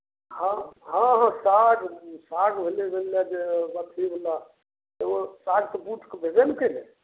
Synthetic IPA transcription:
hãɦãɦãsaɡsaɡbʱelebʱelːad͡ʒebət̪ʰibʱela | eosaɡt̪ɔbuʈʰkebʱed͡ʒenkəle

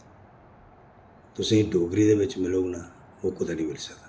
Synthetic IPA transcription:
t̪ʊsĩːɖoːɡɾiːd̪eːbɪt͡ʃmɪlona | oːkʊd̪aːnĩːmɪlsəka

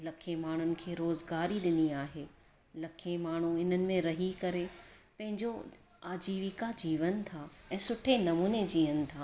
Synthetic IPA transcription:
lɐkʰemaːɳ̤ʊnɪ̆kʰeːɾoːzɡaːɾiɗɪniaːɦeː | lɐkʰemaːɳ̤uɪn̤ənɪ̆mẽɾɐɦikɐɾepɐ̃ɦɪ̃ɲd͡ʑo | aːd͡ʑiːʋɪkad͡ʑiːʋənt̪ʰaːɛ̃ːsʊʈʰenɐmuːned͡ʑiːənɪ̆t̪ʰaː

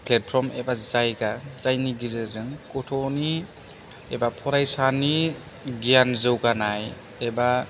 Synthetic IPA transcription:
plet̚pʰɾɔmebazajɡazajniɡizɯzɯŋkɔtʰɔni | ebapʰɔɾajsani | ɡianzɯwɡanaj | eba

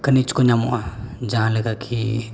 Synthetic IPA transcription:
kənit͡ʃkoɲamuʔad͡ʒaãləɡakʰi

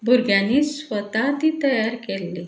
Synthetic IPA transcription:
bʱuɾɡjãnːiːsʋət̪at̪iːt̪əjaɾkelːi

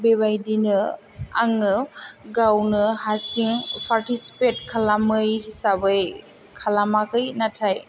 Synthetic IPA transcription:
bebajdinɯ | aŋɯɡawnɯhasiŋpʰaɾtisi̥pet̚kʰalamɯjhisabɯj | kʰalamakɯjnatʰaj

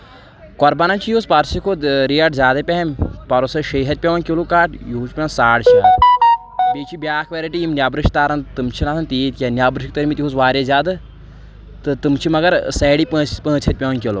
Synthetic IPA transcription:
kɔɾbanɐnt͡ʃʰijuːspɐɾsikʰod̪ɾiɐʈzʲaːd̪ɐpʲeɦɐmʲpɐɾosɐʃɐjɦɐt̪̚pʲeʋɐnkʲilukaːʈjuuːt͡ʃpʲɐnsaːɽt͡ʃʰia | beːt͡ʃʰibʲjaːkʰʋeɾiʈiimnʲjaːbɾɨʃt̪aːɾɐnt̪ɨmt͡ʃʰinaːsʰɐnt̪iːt̪̚ʲkʲenʲjaːbɾɨʃk̚t̪ɐɾmit̪ʲiɦuːsʋaːɾʲjezʲaːd̪ɨ | t̪ɨt̪ɨmt͡ʃʰimɐɡɐɾsɛːɽipə̃ːt͡ʃʰpə̃ːt͡ʃʰɐt̪̚ʲpʲeʋɐnkʲelo

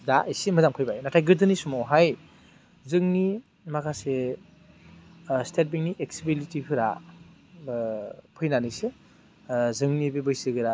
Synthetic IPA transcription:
daʔisimɯzamkʰɯjbajnatʰajɡɯɾdɯnisumowɦaj | zɯŋni | makʰase | stet̚biŋniʔek̚sibilitipʰɯɾa | pʰɯjnanɯse | zɯŋnibebɯjsɯɡɯɾa

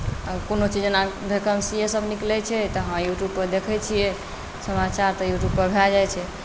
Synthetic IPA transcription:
əkonot͡ʃid͡ʒnabʱekəmsiesəbʱniklɛt͡ʃʰɛt̪əɦãjuʈjubpəɾd̪ekʰɛt͡ʃʰijɛ | səmat͡ʃaɾt̪ɔjuʈjub̚pəɾbʱɛld͡ʒajt͡ʃʰɛ

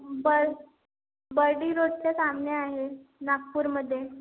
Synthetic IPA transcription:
bəɾ | bəɾɖiːɾoʈ̚t͡sesamneaɦenak̚puːɾməd̪ʱːje

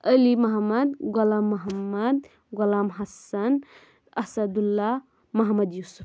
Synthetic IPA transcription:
əlimɐɦmːɐd̪ɡɔlaːmːɐɦɐmːɐd̪ | ɡɔlaːmɦɐsɐn | ɐsɐd̪ulːa | mɐɦmɐd̪jusu̥p

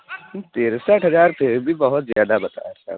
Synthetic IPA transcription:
t̪eːɾsaːʈɦɐzaːɾpʰɪɾbʱibɐɦʊt̪zjaːd̪abɐt̪a̰ːjasa̰ː

